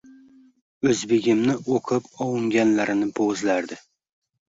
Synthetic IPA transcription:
ɵzbeɡʲɪmnɪʔoqʰɨpɒwɪŋɡʲanlaɾɪnɪbozlaɾd̪ɪ

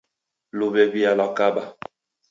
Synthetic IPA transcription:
lobɛbialɔkaba

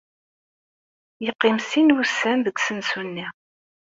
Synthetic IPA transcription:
jəqːimsinwusːænðəɡʷsənsunːi

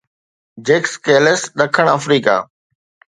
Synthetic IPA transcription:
d͡ʑeːkskeːləsɗɐkʰəɽ̃əfɾiːka̰ː

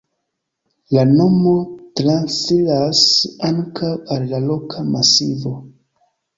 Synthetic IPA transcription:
lano̞mo̞tɾansilasaŋkʰawallalo̞kʰamasivo̞

